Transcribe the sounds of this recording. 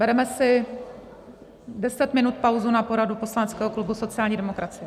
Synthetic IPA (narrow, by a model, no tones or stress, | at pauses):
bɛɾɛmɛsɪ | dɛsɛt̪mɪnut̪pawzunapo̞ɾadupo̞slanɛt͡skɛːɦoklubuso̞t͡sɪaːlɲiːdɛmokɾat͡sɪjɛ